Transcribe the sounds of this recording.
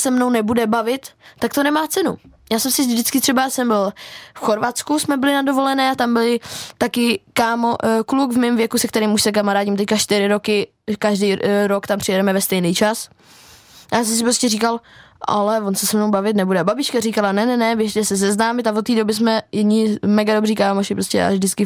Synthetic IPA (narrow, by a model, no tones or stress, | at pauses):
sɛmnownɛbudɛbavɪt̪ːakt̪onɛmaːt͡sɛnṵjaːsɛmsɪdɪtt͡skɪt̪r̝̥ɛbasɛmbɪlfxo̞ɾvat̪t͡skusmɛbɪlɪnado̞vo̞lɛnɛːat̪ambɪlɪt̪akɪkaːmoklukvmɛmvjɛkusɛkt̪ɛɾiːmuʃsɛk̬amaɾaːɟɲɪmt̪ɛckaʃt̪ɪɾɪɾokɪ | kaʒdiːɾokt̪ampr̥ɪjɛdɛmɛvɛst̪ɛjniːt͡ʃas | jaːsɛms̬ɪpɾo̞scʲɛriːkal | ʔa̰lɛvonsɛsɛmnowbavɪt̪nɛbudɛbabɪt͡ʃkarikalanɛnɛnɛvjɛʃt̪ɛsɛs̬ɛznaːmɪt̪avot̪ːiːdo̞bɪs̬mɛjɛdɲɪmɛɡado̞briːkaːmoʃɪpɾoscɛ̰a̰vʒdɪt͡skɪ